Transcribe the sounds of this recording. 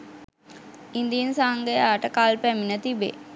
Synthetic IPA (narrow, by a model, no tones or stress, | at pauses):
ind̪iinsaɦŋɡəjaːʈəkaːlpæminət̪ibḛ